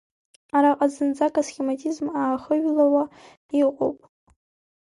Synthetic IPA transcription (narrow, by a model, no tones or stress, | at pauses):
aɾaqʼazɨnd͡zakʼasxʲematʼizmaːχəʒᶣlawa | iqʷʼo̰wpʼ